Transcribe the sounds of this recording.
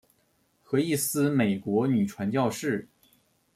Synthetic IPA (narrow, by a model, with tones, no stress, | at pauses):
xɤ˧˥i˥˩sɹ̩˥me˨˩ɪkwɔ˧˥ny˨˩ʈ͡ʂʰwa˧˥nt͡ɕjɑ˥˧ʊʂɻ̩˥˩